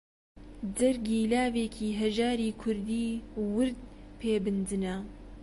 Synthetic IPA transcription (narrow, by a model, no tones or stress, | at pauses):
d͡zɐɾɡiːlaːveːkʰiːɦɐʒaːɾiːkʰʊɾd̪iːwʊɾd̪̚pʰeːbɨnd̪ɨnɐ